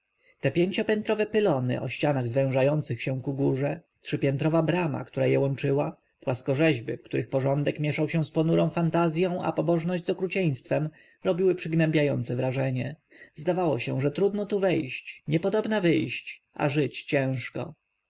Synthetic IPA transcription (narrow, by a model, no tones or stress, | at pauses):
t̪ɛpʲjeɲt͡ɕɔpʲjɛnt̪ɾɔvɛpɘlɔnɘ̰ʔɔ̰ɕt͡ɕanaɣzvɛ̃w̃ʐajɔnt̪sɘxɕɛ̃kuɡuʐɛ | tʂɘpʲjɛnt̪ɾɔvabɾama̰kt̪uɾajɛwɔnt͡ʂɘwa | pwaskɔʐɛʑbɘ̰fkt̪uɾɘxpɔʐɔnd̪ɛkmʲjɛʂawɕɛ̃spɔnuɾɔ̃w̃fant̪azʲjɔ̃w̃a̰pɔbɔʐnɔʑd͡ʑʲzɔkɾut͡ɕɛj̃st̪fɛm | ɾɔbʲiwɘpʂɘɡnɛmbʲjajɔnt̪sɛvɾaʐɛɲɛ | zd̪avawɔɕɛ̃ʐɛt̪ɾud̪nɔt̪uvɛjɕt͡ɕɲɛpɔd̪ɔbnavɘjɕt͡ɕ | ʔa̰ʐɘt͡ɕt͡ɕɛ̃w̃ʂkɔ̰